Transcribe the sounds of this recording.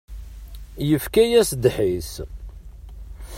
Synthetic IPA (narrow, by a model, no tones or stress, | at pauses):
jəfkæjæsd̪ħis